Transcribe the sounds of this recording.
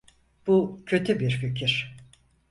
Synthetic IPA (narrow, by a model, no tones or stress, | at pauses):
b̥ucʰø̞t̪ʰybiɾficʰiɾ̥